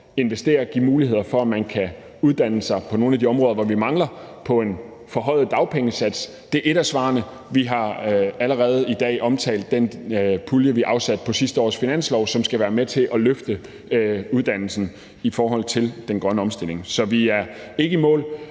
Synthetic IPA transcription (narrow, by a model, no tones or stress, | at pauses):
e̝nʋesd̥e̝̰ːɐɡ̥imuːlihe̝ð̰ˠɐfɒ̽æmænkʰæ | uð̞ˠd̥æn̰əsɑ̈ɪpʰɒ̽no̝ːn̩æd̥iɒ̽mʁɔ̽ːðˠɐʋɒʋimɑ̈ŋlɐpʰɒ̽e̝n | fɒ̽ɦɒ̽ɪ̰ð̞̩ˠd̥ɑ̈ʊpʰeŋəsæd̥s | d̥e̝ɐʔe̝ɾ̥æsʋɑ̰̈ːnə | ʋiɦɑ̈æləʁɛːð̞̩ˠid̥ɛ̰ːʔɒ̽mt͡sʰɛ̰ɪld̥ːenpʰuljəʋiʔɑ̈ʊsæd̥̚pʰɒ̽sisd̥əɒ̰ːsfinæn̰slɒʊsɒ̽msɡ̥æʋæːɐmet͡sʰe̝ʔɒ̽løfd̥ə | uð̞ˠd̥æn̰l̩sn̩ | ifɒːɦɒ̽l̰t͡sʰe̝ld̥enɡ̥ʁɶnəɒ̽msd̥e̝l̰e̝ŋsɒ̽ʋiæɐe̝ɡ̥əimɔ̰̽ːl